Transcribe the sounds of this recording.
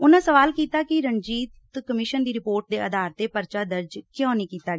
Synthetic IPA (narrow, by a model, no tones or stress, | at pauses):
ʊnãːsəʋaːlkiːt̪aːkɪɾənd͡ʒiːt̪kəmɪʃənd̪iːɾɪpoːɾʈ̚d̪eːʔəd̪aːɾt̪eːpəɾt͡ʃaːd̪əɾd͡ʒkjõːniːkiːt̪aː